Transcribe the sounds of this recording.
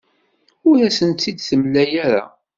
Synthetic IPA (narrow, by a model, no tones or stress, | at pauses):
ʊɾæsənt̪ːid̪θəmlːæjaɾa̰